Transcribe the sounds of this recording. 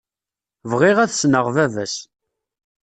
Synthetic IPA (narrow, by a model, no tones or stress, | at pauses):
vʁɪʁæθsnəʁvævæs